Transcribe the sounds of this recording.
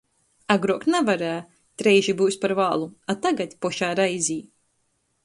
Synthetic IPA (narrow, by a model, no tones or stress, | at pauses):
aɡɾuɔknɛvaɾæː | t̪ɾɛjʒibuːspaɾvaːlˠuat̪aɡat̪ʲpɔʃaːɾajzʲiː